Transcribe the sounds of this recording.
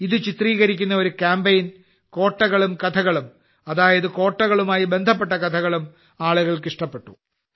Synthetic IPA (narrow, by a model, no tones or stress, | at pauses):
iðɨt͡ɕit̪riːɣɐɾikʲːunːɐoɾukʲaːmbejn | ko̞ːʈːɐɣɐɭumkɐt̪ʰɐɣɐɭum | ɐðaːjɐðɨko̞ːʈːɐɣɐɭumaːjibe̞nd̪ʱɐp̬ːe̞ʈːɐkɐt̪ʰɐɣɐɭum | aːɭuɣɐɭkiʂʈɐpːeʈːṵ